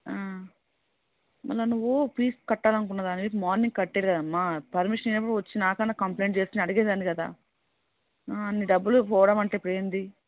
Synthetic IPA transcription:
aː | mɐ̰lːanuʋːupiːskɐʈːaːlɐnuk̬unːaːd̪aːniimaːɾniŋɡ̚kɐʈːeːɾikɐd̪aɐmːaːpɐɾmiʂɐninɐpːuɽuʋɐt͡ʃːinaːkɐnːaːkɐmple̞ːɳʈ̚t͡ʃeːsk̪unɐɽiɡeːd̪aːnikɐd̪a̰ː | ɐnːiɖɐbːulpɔːʋɐɽɐmɐɳʈeːpːuɽeːnd̪i

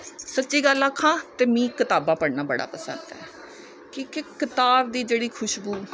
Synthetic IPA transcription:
sətːʃiːɡəlaːkʰːãːt̪eːmĩːkɪt̪aːbãːpəɽnaːbəɽa̰ːpəsə̰̃nd̪ɛ̰ː | kikɪkɪt̪aːbd̪iːd͡ʒeːɽiːkʰʊʃbuː

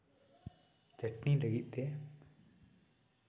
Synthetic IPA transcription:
t͡ʃəʈniləɡit̪̚ˀd̪e

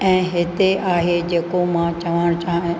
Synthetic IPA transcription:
ɛ̃ːɦɪt̪eʔaːɦed͡ʑeːkomãt͡ʃɐʋaɽ̃t͡ʃaːɦɪ̃

